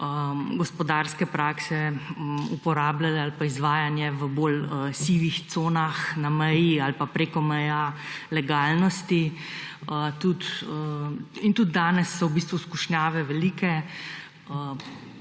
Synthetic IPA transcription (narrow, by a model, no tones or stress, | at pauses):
əɡɔspɔd̪aːɾskɛpɾaːksɛ | upɔɾaːblalɛalpaizʋaːjanjɛʋəboləsiːʋixt̪soːnaxnamɛjialpapɾeːkɔmɛjalɛɡaːlnɔst̪i | ət̪ut̪əint̪ud̪̚d̪aːnɛsːɔwbiːs̬t̪ʋuskuʃnjaːʋɛʋɛliːkɛ | ə